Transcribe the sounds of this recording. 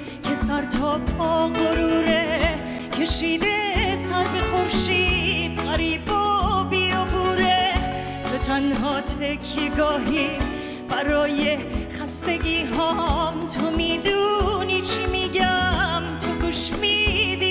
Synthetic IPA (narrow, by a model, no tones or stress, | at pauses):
kʲʰe̞sæɾt̪ʰɔːpʰɔːɣoɾuːɾe | kʰe̞ʃiːd̪esæɾbexoɾʃiːd̪̥ɣaɾiːbobiobuːɾe | t̪ʰot̪ʰænɦɒːt̪ʰekʰːeɡɔːɦi | b̥æɾɔːje̞χæst̪e̞ɡiːɦɔːmt̪ʰomiːd̪uniːt͡ʃʰimiːɡæmt̪ʰoɡuʃmiːd̪iː